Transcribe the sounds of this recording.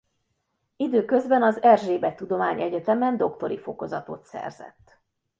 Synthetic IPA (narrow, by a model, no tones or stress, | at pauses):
id̪øːkø̞zbɛnɒzɛrʒeːbɛt̪ːud̪o̞maːɲɛɟɛt̪ɛmɛnd̪o̞kt̪o̞ɾifo̞ko̞zɒt̪o̞̰t̪sɛ̰rzɛ̰t̪ː